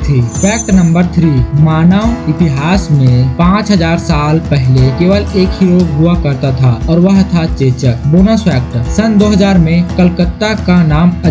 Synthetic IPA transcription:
t̪ʰifɛːk̚ʈnə̃mbəɾt̪ʰɾiːmaːnəʋɪt̪ɪɦaːsmẽpãːt͡ʃɦəzaːɾsaːlpɛɦlekeːʋəleːkɦiɾoːɡɦʊakəɾt̪at̪ʰaɔːɾʋəɦət̪ʰat͡ʃeːt͡ʃəkboːnəspɛːk̚ʈsənd̪oːɦɐzaːɾmẽkəlkət̪ːakanaːmɐ

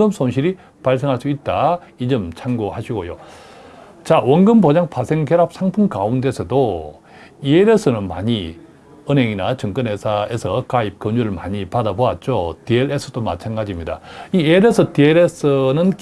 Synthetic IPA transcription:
ɯmsʰonɕʰiɾi | paɭs̬ʰeŋɦaɭs͈uit̚t͈a | id͡ʑɯmt͡ɕʰaŋɡohaɕʰiɡojo | t͡ɕawʌŋɡɯmbod͡ʑaŋpʰasʰe̞ŋkeɾap̚sʰaŋpʰuŋkaunde̞sʰʌdo | ieɾesʰɯnɯnma̰ɲi | ɯneŋinat͡ɕɯŋk͈ɯnɦesʰae̞sʰʌkaip̚kʌɲuɾɯɭmaɲipadaboat̚t͡ɕ͈otieɾesʰɯt͈oma̰t͡ɕʰanɡad͡ʑimɲida̰ieɾesʰɯtieɾesʰɯnɯnk

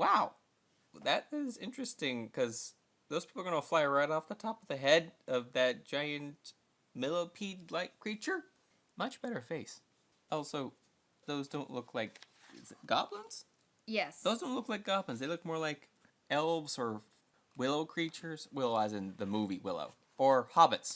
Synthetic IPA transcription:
waʊ | ðɨɾɪzɪ̃nt͡ʃɹ̥ɨstɪ̃ŋkʰʌz | ðoʊz̥pʰipl̩ə˞ɡʌ̃nəflaɪɹaɪɾɔfðətʰɑpʌvðɨɦɛɾʌvðɨt̚d̥ʒ̥aɪɨ̃nt | mɪlˠəpʰid̚laɪkʰɹ̥it͡ʃə˞ | mʌt͡ʃb̥ɛɾə˞feɪs | ɔlˠsoʊ | ðoʊzdõʊ̃nʔˡlʊkʰlaɪkɡ̥ɑ̰blə̃nz̥ | jɛsðoʊzdõʊ̃ntlʊklaɪk̚ɡ̥ɑblə̃nzðeɪlʊk̚mɔɹlaɪk | ɛlˠbz̥ə˞ | wɪlˠoʊkʰɹ̥it͡ʃə˞z̥wɪlˠəazɨ̃nðɨmuviwɪ̰lˠo̰ʊ | ə˞hɑbɨts

